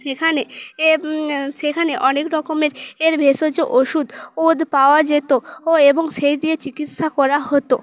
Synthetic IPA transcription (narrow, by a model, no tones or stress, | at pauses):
ʃekʰane | ʃekʰaneʔɔnekɾɔkomeɾeɾbʱeʃod͡ʑoʔoʃud̪od̪ʱpaoad͡ʑet̪ooeboŋʃejd̪iet͡ɕikit̪ʃakɔɾaɦot̪o